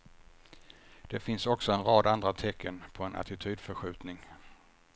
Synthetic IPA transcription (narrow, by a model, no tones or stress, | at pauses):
d̪̥ɛfɪnsɔksɔɛnɾɑːd̪and̪ɾat̪ʰɛkʰːənpʰɔɛnʔa̰t̪ɪt̪ʰyːd̪fœɧʉ̟ːt̪nɪŋ